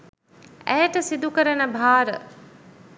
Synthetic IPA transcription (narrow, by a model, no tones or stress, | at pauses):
æjʈəsid̪ukəɾənəbʱaːɾə̰